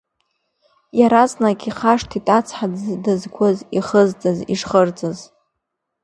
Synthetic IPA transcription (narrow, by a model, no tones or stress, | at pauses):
jaɾaznakʼiχaʂtʰitʼat͡sʰħaddɨzkʷʰʊziχəzt͡sʼazḭʂχərd͡zʼaz